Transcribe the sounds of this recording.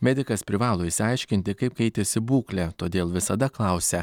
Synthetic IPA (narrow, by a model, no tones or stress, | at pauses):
mʲæd̪ʲɪkɐspʲɾʲɪʋɑːlˠoːɪsʲɪɐɪʃʲkʲɪnʲt̪ʲɪkɐɪp̚kɛɪt̪ʲɪsʲɪbuːklʲɛt̪oːd̪ʲeːlˠʋʲɪsɐd̪ɐklˠɐʊssʲɛ